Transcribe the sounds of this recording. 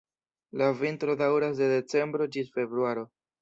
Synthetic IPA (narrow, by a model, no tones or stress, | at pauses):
lavintɾo̞dawɾas̬de̞de̞t͡se̞mbɾo̞d͡ʒisfe̞bɾuaɾo̞